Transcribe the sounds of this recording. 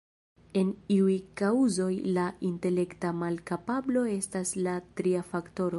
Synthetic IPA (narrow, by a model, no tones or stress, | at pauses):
e̞niujkauzo̞jlaʔinte̞le̞ktamalkapablo̞e̞staslatɾiafakto̞ɾo̞